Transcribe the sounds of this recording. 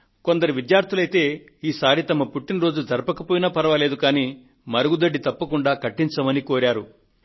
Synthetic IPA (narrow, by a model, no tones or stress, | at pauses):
ko̞nd̪ɐɾiʋid̪jaːɾt̪ʰulɐjt̪e̞ː | iːsaːɾit̪ɐmɐpuʈːinɾo̞ːd͡ʒud͡ʒɐɾpɐkɐpoːjinɐpɐɾɐʋɐle̞ːd̪ukaːniː | mɐɾɐɡud̪ɐɖːit̪ɐpːɐkuɳɖaːkɐʈːiɲt͡ʃɐmɐnikoːɾaːɾu